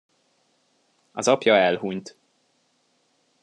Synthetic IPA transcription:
ɒzɒpjɒɛlɦuɲt̪

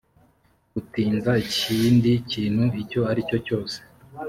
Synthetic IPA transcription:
ɡutiːnzaiciːndiciːn̥huico̞aɾico̞co̞ːse

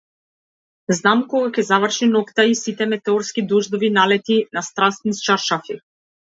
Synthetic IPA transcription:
znamkɔɡakʲɛzavr̩ʃinɔkt̪aisit̪ɛmɛt̪ɛɔɾskid̪ɔʒd̪ɔvinalɛt̪inast̪ɾast̪nist͡ʃaɾʃafi

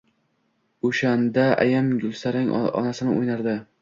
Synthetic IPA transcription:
oʃand̪aa̰jamɡʊlˠsaɾɪŋ̰ɒ̰nasɪnɪo̰jnaɾd̪ɪ

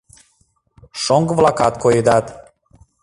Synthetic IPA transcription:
ʃɔŋɡvlˠakat̪kʰojid̪ad̪

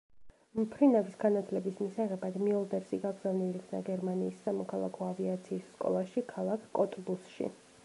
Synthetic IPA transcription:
mpʰɾinavisɡanat̪ʰlɛbismisaʁɛbad̪miɔlˠd̪ɛɾsiɡaɡɾz̥avnilikʰna̰ɡɛɾmaniːsːamɔkʰalˠa̰kʰɔaviat̪sʰiːsːkʼɔ̰lˠaʃikʰalˠakʰkʼɔt̪ʼbusʃḭ

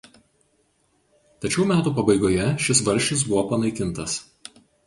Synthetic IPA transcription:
t̪ɐt͡ʃʲɛʊmʲæːt̪uːpɐbɐɪɡoːjɛʃʲɪsʋɐɾʲʃʲɪs̬bʊʋoːpɐnɐɪkʲɪnˑt̪ɐs

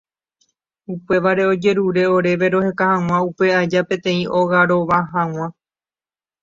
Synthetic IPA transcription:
upe̞ʋaɾe̞o̞d͡ʒe̞ɾuɾe̞o̞ɾe̞ʋe̞ɾo̞he̞kahãw̃ãupe̞ad͡ʒapẽt̪ẽ̞ĩʔo̞ɣaɾo̞ʋaɦãw̃ã

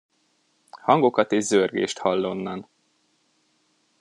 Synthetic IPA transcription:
hɒŋɡo̞kɒt̪eːʒzørɡḛːʃt̪hɒlːonːɒn

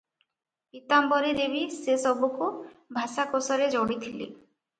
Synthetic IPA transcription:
pit̪ambɔɾeɾebisesɔbukubʱasakosɔɾed͡ʒɔɽit̪ʰilḛ

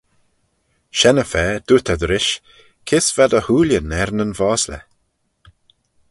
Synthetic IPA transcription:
ʃɛnəfɛːd̥̪ut̪ʰad̪ɾɪʃ | kʰɪsv̥ad̪əhuːlʲjənɛɾnənvɔːslə̰

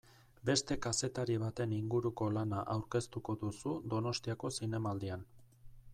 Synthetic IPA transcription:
be̞st̪e̞kase̞t̪aɾiβ̞at̪e̞niŋɡuɾuko̞lanaʔawɾke̞st̪uko̞ðusud̪o̞no̞st̪iako̞sine̞maːld̪ian

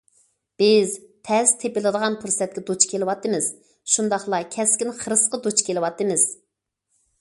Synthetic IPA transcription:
b̥ɪzt̪ʰɛst̪ʰepɪlˠɨd̪əʁɑnpʰuɾsɛt̪̚kʲɛd̪ot͡ʃkʲʰelɪwɑt̪ːɨmɪz̥ | ʃund̪ɑχlˠɑkʲʰɛskʲinχəɾɨsqəd̪ot͡ʃkʲelɨwɑt̪ːɨmɪz̥

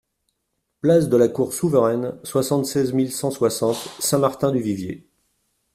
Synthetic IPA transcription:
plasd̪əlakuʁsuvəʁɛnswasɑ̃t̪sɛzmilsɑ̃swasɑ̃t̪sɛ̃maʁt̪ɛ̃d̪yvivjḛ

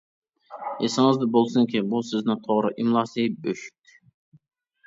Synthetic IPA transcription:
esɪŋɪzd̪ɪbolˠsɨŋkʲibusɪznɪŋt̪ʰoʁɾɨʔimlˠɑːsɨbøʃy̥t̪ʰɪ̥

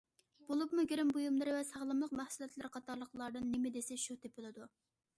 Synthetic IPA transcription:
b̥olˠupmuɡʲeɾɪmbujumlˠɨɾɨvɛsɑʁlˠɨmlˠəqmæhsulˠɛt̪lɪɾqʰɑt̪ʰɑɾlˠəqlˠɑɾd̪ɨnːɪmɪd̪esɪʃut̪epɨlˠɨd̪u

